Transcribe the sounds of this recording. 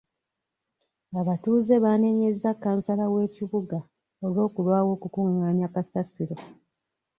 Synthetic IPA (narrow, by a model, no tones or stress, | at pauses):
aβatuːze̞βaːne̞ɲe̞zːakːaːnsalawe̞ːciβuɡa | olo̞ːkulwaːwo̞ːkukuŋːaːɲakasasiɾo̞